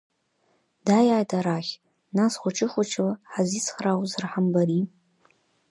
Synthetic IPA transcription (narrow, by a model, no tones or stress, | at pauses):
d̥ajaːjtʰaɾaχʲ | nasχʷʊt͡ʃʰʼɪχʷʊt͡ʃʰlħazisʰχrawzɨrħambaɾi